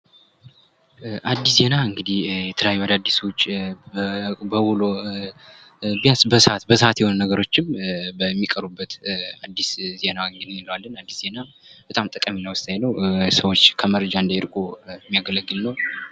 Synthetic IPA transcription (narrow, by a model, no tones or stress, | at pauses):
ʔad̪ːisze̞naɨŋɡɨd̪ihjɛt̪ʰələjajːuad̪ad̪ːisəwt͡ʃː | bəwulo | bijasbəsat̪bəsəat̪jɛho̞nunəɡəɾo̞t͡ʃːɪmbəmːikʼəɾubːət̪ad̪ːisze̞nawɨŋɡɨd̪ɨnɪləwalːənad̪ːisz̥e̞na | b̥ət̪ʼamt̪ʼɨkʼəminəwʊst̪ʼjajlːəwsəwot͡ʃːkʰəməɾəd͡ʒaɨnd̪ajɪɾkʼojmːijaɡələɡːɨlnəw